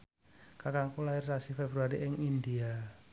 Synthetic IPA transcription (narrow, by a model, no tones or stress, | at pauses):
kakaŋkulaɪrsasifebɾuaɾiʔɪŋind̪ia